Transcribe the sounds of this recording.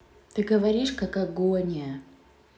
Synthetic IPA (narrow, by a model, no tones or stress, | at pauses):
t̪ɨɡəvɐɾʲiʂkakɐɡonʲɪjə